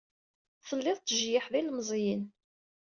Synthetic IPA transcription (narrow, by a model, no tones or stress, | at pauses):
θəlːɪðˤt̪ːəʒjɪħðilmzˤjin